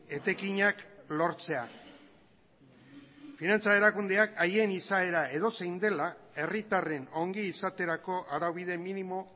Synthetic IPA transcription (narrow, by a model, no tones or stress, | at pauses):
e̞t̪e̞kiɲaklo̞ɾt͡se̞a̰ | finant͡sae̞ɾakund̪e̞akaje̞nisae̞ɾae̞ðo̞sejnd̪e̞lae̞rit̪are̞no̞ŋɡiːsat̪e̞ɾako̞ʔaɾawβiðe̞minimo̞